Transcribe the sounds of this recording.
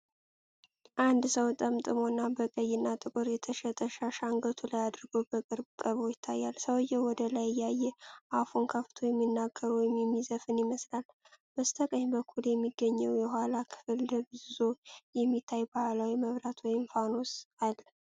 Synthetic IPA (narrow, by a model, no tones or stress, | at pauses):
ʔand̪səwt̪ʼəmt̪ʼɨmo̞nːabəkʼəjɪnːat̪ʼɨkʼɨɾjɛt̪ʰəʃɛt̪ʼəʃaʃaŋɡət̪ʰulajad̪ɨɾɡobəkʼɨɾbkʼəβo̞jɪt̪ʰːajːalsəwɨjɛwɔd̪əlajjajːɛʔafunkʰəft̪ʰojɛmːinːaɡːəɾuwmɛmːizəfɨnɪməslal | məst̪ʰəkʼəɲbəkʰːuljɛmːiɡːəɲːəwjɛɦʷalakʰɨ̥fɨld̪əbɨzɨzojɛmːit̪ʰːajbaalawiməβɾat̪ʰwɔjɪmfano̞salː